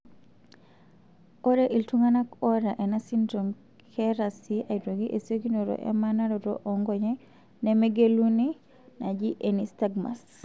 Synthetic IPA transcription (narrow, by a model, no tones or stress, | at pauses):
ɔɾeʔiltuŋanakɔɾaʔɛnasindɾom | kʰɛɾasiaidoɡiʔesiokinoɾo̰ʔɛ̰manaɾɔɾo̰ʔɔŋɡɔɲɛ | nɛmeɡeluni | nad͡ʒiʔenistaɡma̰s